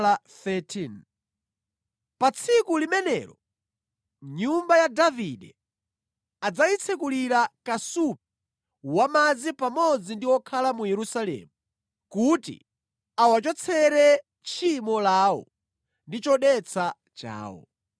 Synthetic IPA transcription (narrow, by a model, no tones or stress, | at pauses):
aθɛtʰin | pat͡sʰikulimɛnɛ̰ːɾɔ̰ | ɲumbajadaviɗɛ | ad͡zait͡sʰɛkuliɾakasup̚ɛ | wamad͡zipamɔd͡zindiwɔkʰalamujɛɾusalɛ̰ːmu | kutḭ | awat͡ʃɔt͡sʰɛɾɛ | t͡ʃʰimɔlaːwɔ̰ | ndit͡ʃɔɗɛt͡sʰa | t͡ʃa̰ːwɔ̰